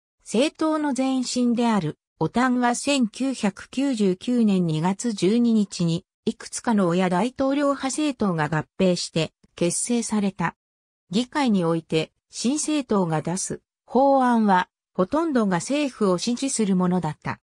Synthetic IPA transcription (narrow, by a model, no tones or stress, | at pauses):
se̞ːt̪o̞ːno̞zẽ̞ɰ̃ɕĩnd̪e̞aɾɯ̟ | o̞t̪ãβasẽ̞ŋkʲɨːçakɯ̟̥kʲɨːʑɨːkʲɨːnẽ̞ɲ̟ːiɡat͡sɨʑɨːɲ̟iɲ̟it͡ɕiɲ̟i | ikɯ̥t͡sɨ̥kano̞ːjad̪ait̪o̞ːɾʲo̞ːhase̞ːt̪o̞ːɡaɡapːe̞ːɕi̥t̪e̞ | ke̞sːe̞ːsaɾe̞t̪a | ɡʲikaiɲ̟io̞it̪e̞ | ɕĩɰ̃se̞ːt̪o̞ːɡad̪asɨ | ho̞ːãɰ̃βa | ho̞t̪õ̞nd̪o̞ɡase̞ːɸɯ̟o̞ɕĩɲd͡ʑisɨɾɯ̟mo̞no̞d̪at̪ːa̰